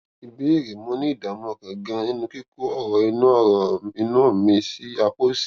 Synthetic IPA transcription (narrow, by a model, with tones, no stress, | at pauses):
i˨bi˨˦i˦˨ɾe˨mɔ̃˨˦nĩ˦i˦˨da˨mɔ̃˧˨kã˨ɡã˧nĩ˦nũ˧ki˦ko˦ɔ˦˨ɾɔ˨i˧nũ˦ɔ˦˨ɾɔ˨i˧nã˦˨mĩ˧si˦a˧k͡po˦si̥˦˨